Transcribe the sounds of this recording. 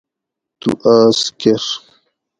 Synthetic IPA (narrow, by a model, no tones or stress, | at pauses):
t̪ṵʔaːskeʂ